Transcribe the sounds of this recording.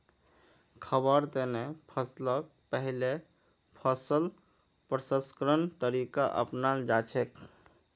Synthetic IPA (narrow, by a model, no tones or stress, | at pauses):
kʰəbəɾt̪enepʰəslək̚ | pəɦile | pʰəsəl | pɾəsə̃skɾənt̪əɾikaʔə̰pnald͡ʒat͡ʃʰek